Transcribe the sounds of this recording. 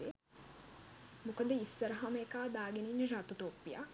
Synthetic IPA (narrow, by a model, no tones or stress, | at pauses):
e | mukɐd̪eisːɐɾɐɦamekaːd̪aːɡeninɾat̪ut̪oːpːija̰